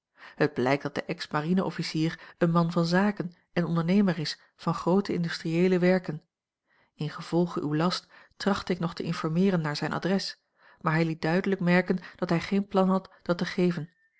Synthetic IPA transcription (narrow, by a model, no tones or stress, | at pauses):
həd̚blɛjk̚d̥ɑt̚d̥əʔɛksmarinəʔɔfisiːʁənmɑnvɑnzaːkən | ɛnɔndəɹnejməɹɪs | vɑnχrowtəɪ̰ndystriejləʋɛɹkən | ɪnχəv̥ɔlˠχəʔywlɑsttrɑχtəɪknɔχtəʔɪnfɔɹmɪːʁənːaːɹzɛjnʔa̰drɛs | maːɹɦɛjlit̚dœɥdələkmɛɹkənd̥ɑtɦɛjχejnplɑnɦɑtd̥ɑtəχejvən